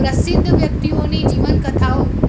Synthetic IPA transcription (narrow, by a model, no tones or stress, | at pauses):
ɾɐsɪ̃nd̪ʱʋjɐk̚t̪ioːned͡ʑiːʋənkɐt̪ʰaːo